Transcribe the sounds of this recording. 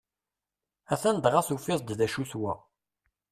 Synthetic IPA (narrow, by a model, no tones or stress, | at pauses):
æθænd̪ʁaθufɪsˤd̪ðæʃuθwæ